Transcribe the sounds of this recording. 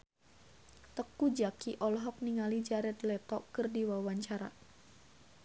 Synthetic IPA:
t̪əkud͡ʒakiʔɔlɦɔk̚niŋalid͡ʒaɾɛt̪lɛt̪ɔkɨrdiwawaɲt͡ʃaɾa̰

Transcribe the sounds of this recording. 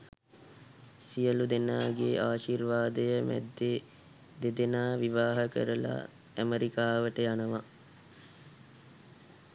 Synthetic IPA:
sijəlud̪enaːɡeʔaːʃiːrʋaːd̪əjəmæ̰d̪ːe | d̪ed̪enaːʋiʋaːɦəkə̰ɾəla̰ | æməɾikaːʋəʈəjanəʋa

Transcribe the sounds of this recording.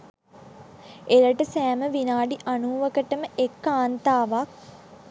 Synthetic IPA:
eləʈəsæːməʋinaːɖiʔanuːʋəkəʈəməʔekːaːnt̪aːʋak̚

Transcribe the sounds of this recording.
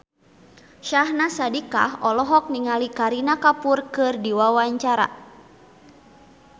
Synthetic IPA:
ʃahnasadika̰ɦɔlɔɦɔk̚niŋalikaɾinakapurkɨrdiwawaɲt͡ʃaɾa̰

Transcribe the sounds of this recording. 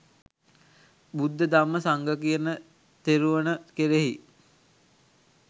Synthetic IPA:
bud̪ːəd̪amːəsaŋɡəkijənə | t̪eɾuʋənəkeɾeɦi

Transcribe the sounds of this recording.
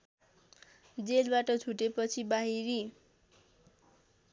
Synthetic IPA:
d͡zelbaʈʌt͡sʰuʈepʌt͡sʰibaɦiɾi

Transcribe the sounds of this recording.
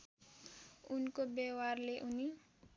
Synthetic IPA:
unkobewarleʔuni

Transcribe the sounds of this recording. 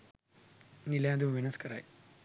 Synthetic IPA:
nilãːd̪umʋinɐskɐɾa̰j

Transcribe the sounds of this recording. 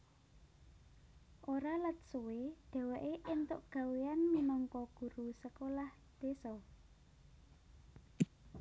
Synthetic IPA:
ʔoɾalət̪̚suweɖ̪̥ɛ̤wɛʔeʔɪnt̪ʊʔɡ̥a̤weanminɔŋkɔɡ̥ṳɾusəkolah | d̪̥esɔ

